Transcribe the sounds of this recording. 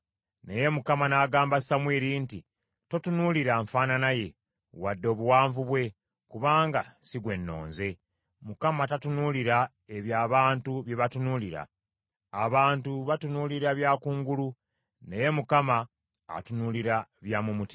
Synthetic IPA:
ne̞je̞mukamanaːɡaːmbasamwiːɾinti | to̞tunuliɾaɱfaːnanaje̞ | wadːo̞ːβuwaːɱvuβwe̞ | kuβaːŋɡasiɡwe̞nːo̞̰ːnze̞ | mukamatatunuliɾa | e̞βjaːβaːntuβje̞βatunuliɾa̰ː | βaːntuβatunuːliɾaβjaːkuːŋɡulu | neje̞mukama̰ː | tunuliɾaβjaːmumuti̥

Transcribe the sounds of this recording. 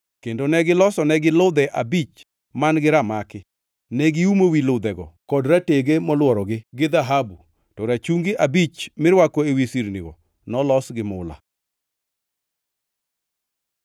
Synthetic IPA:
kendonɛɡɪlɔsɔnɛɡɪlʊd̪ɛʔabit͡ʃ | manɡɪɾamakɪ | nɛɡɪumowilʊd̪ɛɡɔ̰kɔdɾateɡemɔlwɔɾɔɡɪɡɪd̪aɦabu | tɔɾat͡ʃuŋɡɪʔabit͡ʃmɪɾwakoewisiɾnḭɡɔ̰ | nɔlɔsɡɪmʊla̰

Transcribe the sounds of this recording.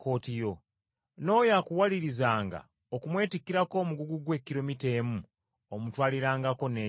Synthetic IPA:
ko̞ːtijo̞ | no̞jakuwaliɾizaːŋɡa̰ | okumwe̞ːtikːiɾako̞ːmuɡuɡuɡwe̞kːiɾomite̞mu | omutwaːliɾaːŋɡako̞ne

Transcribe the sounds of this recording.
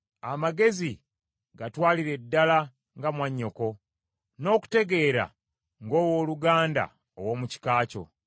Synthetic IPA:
amaɡe̞zi | ɡatwaːliɾe̞dːala | ŋɡamwaɲːo̞ko̞ | no̞ːku̥te̞ɡe̞ːɾa̰ | ŋɡo̞ːwo̞ːluɡaːnda̰ | owoːmuci̥kaːco̞̰

